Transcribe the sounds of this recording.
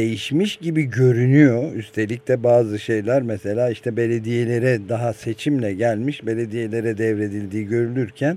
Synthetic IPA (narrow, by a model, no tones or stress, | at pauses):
ejiʃmiʃɟibiɟø̞ɾynyjo̞yst̪ʰe̞lʲic̚t̪ʰɛbaːzɯʃe̞jlʲæɾmese̞lʲaːiʃt̪ʰɛbe̞lʲe̞d̪ije̞lʲe̞ɾɛd̪aɦase̞t͡ʃʰimlʲɛɟælʲmiʃbe̞lʲe̞d̪ije̞lʲe̞ɾɛd̪ɛvɾe̞d̪ilʲd̪iːɟø̞ɾynʲyɾcʰæn